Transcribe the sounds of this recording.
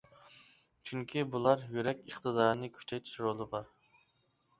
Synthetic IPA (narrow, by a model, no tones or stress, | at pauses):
t͡ʃʰʊŋkʲʰibʊlˠaɾjuɾɛkʲɨχt̪ʰɨd̪ɑɾɪnɪkʲʰy̥t͡ʃʰɛjt̪ʰʃɾolˠɪbɑɾ